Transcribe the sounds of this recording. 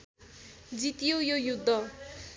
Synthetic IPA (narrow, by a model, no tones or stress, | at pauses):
d͡zit̪ijojojud̪ʱːʌ